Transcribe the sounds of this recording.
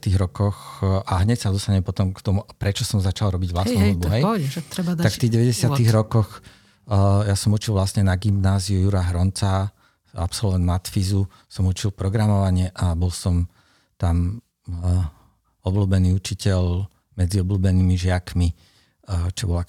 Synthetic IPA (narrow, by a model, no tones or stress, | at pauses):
t̪iːɣɾɔkɔxʔaɦɲɛcsad̪ɔst̪aɲɛmpɔt̪ɔmkt̪ɔmuʔapɾɛt͡ʃɔsɔmzat͡ʃalɾɔbiɟʋlast̪mɔbuɦɛjɾɛt̪akkft̪iːɦɟɛʋɛɟɛsɪaiːɣɾɔkɔx | jasɔmut͡ʃilʋlasɲɛnaɡimnaːziujuɾaɦɾɔnt͡sa | a̰psɔlʋɛnd̪mat̪fizu | sɔmut͡ʃilpɾɔɡɾamɔʋaɲɪɛʔabɔlsɔm | t̪am | ɔbluːbɛniːut͡ʃicɛʎ | mɛd͡ziɔbluːbɛniːmiʒɪakmi | t͡ʃɔbɔla